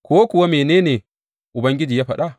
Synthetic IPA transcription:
koː˦ku˨wa˦me˨ne˦ne˨ | ʔʊ˨bɐ˦ŋɡʲɪ˦d͡ʒiː˨ja˦ɸa˨ɗa˦˨

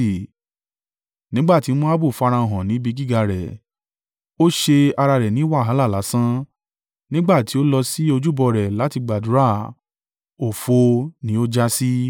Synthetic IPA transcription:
nĩ˦ɡ͡ba˦˨ti˨˦n̩˦ɔ̃˦a˦bu˦˨fa˧ɾã˧˨ɔ̃˨nĩ˨˦bi˧ɡi˦˨ɡa˧˨ɾɛ̰˨ | o˦ʃe˧a˧ɾa˧ɾɛ˨nĩ˨˦wa˦˨ɦa˨˦la˦˨la˨˦sã˦ | nĩ˦ɡ͡ba˦˨ti˨˦o˦lɔ˧si˦o˧d͡ʒu˦bɔ˧ɾɛ˨la˨˦ti˧ɡ͡ba˨du˨˦ɾa˦˨ | o˨fo˧nĩ˦o˦d͡ʒa˦si˦

